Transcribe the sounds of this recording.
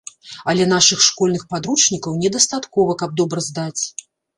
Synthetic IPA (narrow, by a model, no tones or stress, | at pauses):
ɐlʲɛnaʂɨxʂkɔlʲnɨxpad̪ɾut͡ʂnʲikɐwnʲɛd̪ɐst̪at̪kɔvɐkɐb̚d̪ɔbɾɐzd̪at͡sʲ